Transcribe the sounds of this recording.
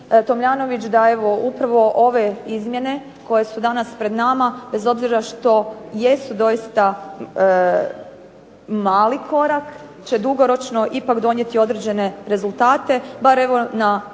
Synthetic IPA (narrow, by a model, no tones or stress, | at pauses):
t̪o̞mʎaːno̞ʋit͡ʃd̪ae̞ʋo̞upɾaʋo̞ʔo̞ʋe̞izmje̞ne̞ | ko̞je̞sud̪anaspɾe̞d̪namabe̞zo̞bziɾaʃt̪o̞je̞sud̪o̞jist̪a | maːlikʰo̞ɾak | t͡ɕe̞d̪uɡo̞ɾo̞t͡ʃno̞ʔipakd̪o̞nje̞t̪io̞d̪ɾed͡ʑe̞ne̞ɾe̞zulˠt̪aːt̪e̞baɾe̞ʋo̞na